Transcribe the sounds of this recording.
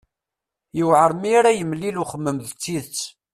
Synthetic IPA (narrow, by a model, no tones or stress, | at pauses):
jiwʕəɾˤmiɾæjəmliluχəmːəmðt͡sːiðt͡sː